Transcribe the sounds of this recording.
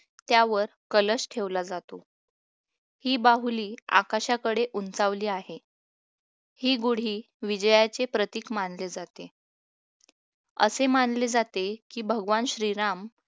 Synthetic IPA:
t̪jaʋəɾkələsʈʰeʋlad͡zat̪o | hiːbaɦuliːa̰kaɕakəɽeʔunt͡saʋliːaɦe | hiːɡuɽ̤iː | ʋid͡ʑəjat͡sepɾət̪iːkmanled͡zat̪e | ə̰semanled͡zat̪ekiːbʱəɡʋanɕɾiɾam

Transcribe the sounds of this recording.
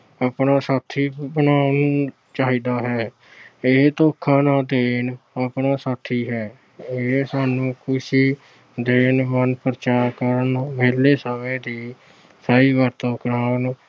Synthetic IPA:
aːpnaːsaːt̪ʰiːbənaːn | t͡ʃaːɦiːd̪aːɦɛː | eɦt̪oːkʰːãːnaːd̪eːnaːpnaːsaːt̪ʰːiːɦɛː | eɦesaːnũːkʊʃiː | d̪eːnmənpəɾət͡ʃaːɾkəɾənmeːlːeːsəmẽːd̪iː | saːiːʋəɾt̪õːkɾaːn

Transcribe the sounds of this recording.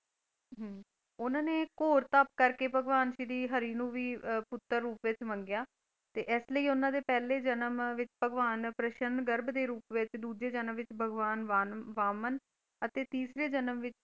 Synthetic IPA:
ɦ | ʊnãːneːkoːɾt̪əp̚kəɾkeːbʱəɡʋaːnʃid̪iːɦəɾiːnũːʋiːpʊt̪ːəɾːuːpʋɪt͡ʃmə̃ŋɡjaː | t̪eːʔɛsləiːʊnãːd̪eːpɛːleːd͡ʒənəmʋɪt͡ʃpəɡʋaːnpɾəʃənɡəɾbd̪eːɾuːpʋɪt͡ʃd̪uːd͡ʒeːd͡ʒənəmʋɪt͡ʃbʱəɡʋaːnʋaːʋaːmən | ət̪eːt̪iːsɾeːd͡ʒənəmʋɪt͡ʃ

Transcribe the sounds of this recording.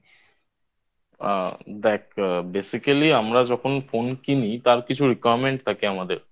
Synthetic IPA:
d̪ɛk̚besikaliamɾad͡ʑɔkʰonfonkinit̪aɾkit͡ɕʰuɾikajɾmeɳʈt̪ʰakeamad̪eɾ

